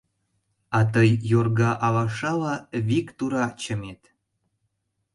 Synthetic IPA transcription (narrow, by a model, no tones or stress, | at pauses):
ɑt̪əjːorɣɑʔɑlɑʃɑlɑβikt̪uɾɑt͡ɕəmet̪